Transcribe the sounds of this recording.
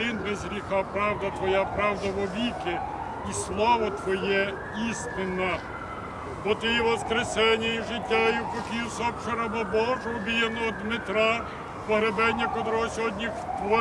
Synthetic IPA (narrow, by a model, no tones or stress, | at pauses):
ɪnbezɾʲixɑpɾɑwd̪ɐt̪ʋɔjapɾɑwd̪ɐʋɔʋʲikɪ | islˠɔʋɔt̪ʋɔjɛ | ist̪ɪnɐ | bɔt̪ɪjiʋɔskɾesɛnʲɪjʊʒɪtʲːajʊpɔkʲijʊsɔpt͡ʃɐɾɐbɐbɔʒʊɔbʲijɐnɔːd̪mɪt̪ɾɑ | pɔɦɾebɛnʲːɐkɔd̪ɾɔɔsʲɔdʲnʲixt̪ɔ